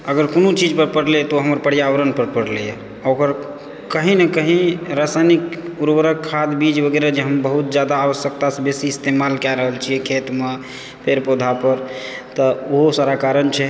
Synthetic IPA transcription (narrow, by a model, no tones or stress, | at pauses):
əɡəɾkonot͡ʃid͡ʒpəɾpəɽlɛt̪oɦəməɾpəɽjaʋəɾənpəɾpəɽlɛje | okəɾ | kəɦinekəɦĩɾasajnikuɾbəɾəkʰːad̪bid͡ʒbʱəɡeɾad͡ʒeɦəmbəɦut̪̚d͡ʒjad̪aːʋəsjəkt̪asebesiːst̪emalkɛɾəɦəlt͡ʃʰiekʰet̪me | peɾpod̪ʱapəɾ | t̪əoɦosaɾakaɾənt͡ʃʰɛ